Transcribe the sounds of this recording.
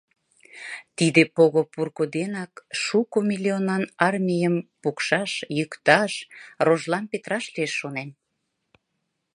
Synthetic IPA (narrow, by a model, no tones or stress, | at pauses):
t̪id̪epoɣopurkod̪enɑkʃukomʲilʲionɑnɑrmʲijəmpukʃɑʃjykt̪ɑʃroʒlɑnpet̪ɾɑʃlieʃːonen